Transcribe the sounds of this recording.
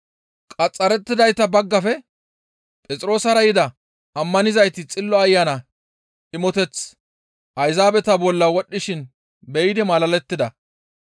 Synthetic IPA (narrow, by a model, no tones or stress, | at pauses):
kʼɐt͡sʼːɐɾɛt̪ːɪd̪ɐjt̪ːɐbɐɡːɐfɛ | pʼɛt͡sʼɪɾo̞ːsɐɾɐjɪd̪ɐ | ɐmːɐnɪzɐjt̪ɪt͡sʼɪlːɔɐjːanɐ | ʔɪmɔt̪ɛt͡s | ʔɐjzaːbɛt̪ɐbɔlːɐwɔɗːɪʃɪn | bɛjɪd̪ɪmɐlɐlɛt̪ːɪd̪ɐ